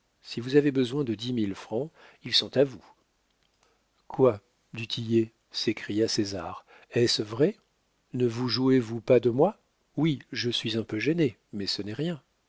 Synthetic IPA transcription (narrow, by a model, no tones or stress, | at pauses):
sivuzavebəzwɛ̃d̪əd̪imilfχɑ̃ilsɔ̃t̪avu | kwa | d̪yt̪ʰije | sekχijasezaʁ | ɛsvʁɛ | nəvuʒuevupad̪əmwa | wiʒəsɥizɛ̃pøʒene | mɛsənɛʁjɛ̃